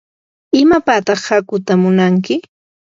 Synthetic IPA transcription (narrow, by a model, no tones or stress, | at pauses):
ɪmapat̪ɑχhakʊt̪amʊnaŋkɪ